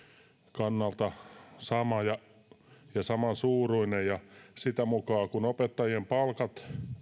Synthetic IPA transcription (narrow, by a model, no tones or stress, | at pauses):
kɑnːɑlt̪ɑsɑmɑjɑ | jɑsɑmɑnsuːruinejjɑsit̪æmukɑːkunopet̪ːɑjiempɑlkɑt̪